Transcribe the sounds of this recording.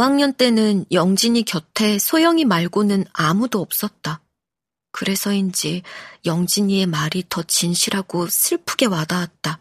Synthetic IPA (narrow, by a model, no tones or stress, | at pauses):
waŋɲʌnt͈e̞nɯnjʌŋd͡ʑiɲikjʌtʰe̞sʰojʌŋimaɭɡonɯnamudoʌp̚s͈ʌt̚t͈a | kɯɾe̞sʰʌind͡ʑijʌŋd͡ʑiɲie̞maɾitʌt͡ɕinɕʰiɾɦaɡosʰiɭpʰuɡe̞wadawat̚t͈a